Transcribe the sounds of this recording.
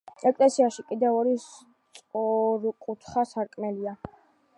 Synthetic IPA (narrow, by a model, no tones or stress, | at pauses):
ɛkʼlɛsiaʃikʼid̪ɛvɔɾis | t̪sʼɔɾkʼut̪ʰχasaɾkʼmɛlia